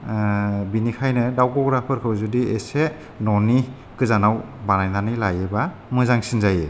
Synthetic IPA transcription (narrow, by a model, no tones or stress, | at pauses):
binikʰajnɯdawɡɔɡɾapʰɯɾkʰɯwzudiese | nɔni | kɯzanaw | banajnanɯjlajeba | mɯzaŋsinzaje